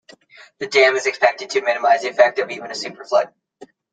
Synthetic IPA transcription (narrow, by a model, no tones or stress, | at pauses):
ðɨdæ̃mɨzɨkspɛk̚tɨd̚tʰɨmɪ̃nɨmaɪziɨfɛk̚tʌvivə̃nɨsʉpə˞flʌ̰d̚